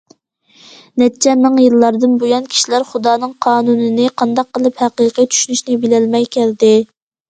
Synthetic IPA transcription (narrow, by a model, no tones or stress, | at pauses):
nɛt̪t͡ʃʰɛnːɨŋjilːɑɾd̪ɨnbojɑnkʲʰi̥ʃilæɾχud̪ɑːnɨŋqʰɑːnunɨnɪqʰɑnd̪ɑq̚qːəlˠɨphæqiːqʰit͡ʃ̪ʰy̥ʃynyʃnɪbɪlɛlmɛjkʲʰæld̪ɪ